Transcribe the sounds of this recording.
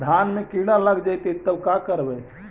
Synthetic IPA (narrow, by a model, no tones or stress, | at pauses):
d̪ʱanmẽkiɽ̃aləɡd͡ʒajt̪et̪ːəbkakəɾbɛ